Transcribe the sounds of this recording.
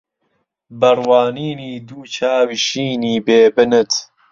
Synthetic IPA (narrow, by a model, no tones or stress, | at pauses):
bɐrwaːniːniːd̪uːt͡ʃʰaːwiʃiːniːbeːbɨnɨt̪